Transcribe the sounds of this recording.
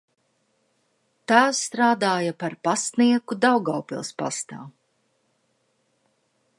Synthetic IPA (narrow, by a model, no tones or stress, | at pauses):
t̪aːsːt̪ɾaːd̪aːjapaɾpasniɛkud̪awɡawpilˠspa̰st̪aː